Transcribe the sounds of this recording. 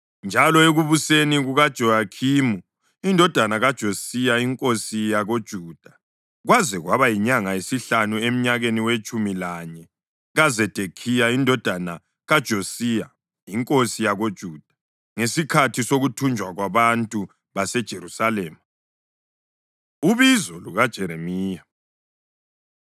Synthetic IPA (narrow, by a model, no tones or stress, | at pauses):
nd͡ʒʱalɔeɣuβuseniɣuɣad̥ʒ̥ʱɔakʰimu | indʱɔd̥ʱanaɣad̥ʒ̥ʱosijaiŋkʼosijaɣod̥ʒ̥ʱuːd̥ʱa | ɣwazɛɣwaβajiɲaŋaesiɬanuem̩ɲaɣeniwet͡ʃʼumilaɲɛ | ɣazɛd̥ʱekʰijaindʱɔd̥ʱana | ɣad̥ʒ̥ʱosija | iŋkʼosijaɣod̥ʒ̥ʱuːd̥ʱḁ | ŋesikʰatʰisoɣutʰund͡ʒʱwaɣwaβantʼu | βasɛd̥ʒ̥ʱeɾusalɛːma | uβizɔluɣad̥ʒ̥ʱɛɾemiːja